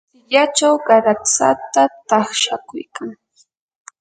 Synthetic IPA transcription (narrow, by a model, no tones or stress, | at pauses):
ʎat͡ʃawɢaɾat͡sa̰t̪at̪ɑχʃakʊjkʰaŋ